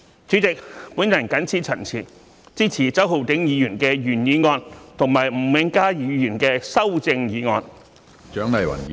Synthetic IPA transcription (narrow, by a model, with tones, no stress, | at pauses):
t͡syː˨˥t͡sɪ˨k̚puː˨˥njɐ˨˩nkɐ˨˥nt͡sʰiː˥˩t͡sʰɐ˨˩nt͡sʰiː˨˩ | t͡siː˥t͡sʰiː˨˩t͡sɐ˨˥wɦo˨˧wt̪ɪ˨˥ŋjiː˨˧jyː˨˩nkɛː˧jyː˨˩njiː˨˧ŋɔː˧nt̪ʰʊ˨˩ŋmaː˨˩jm̩˨˩wɪ˨˧˥ŋkaː˥jiː˨˧jyː˨˩nkɛː˧sɐ˥wt͡sɪ˧ŋjiː˨˧ŋɔː˧n | t͡ʃœː˨˥ŋlɐ˨˩jwɐ̰˨˩n˨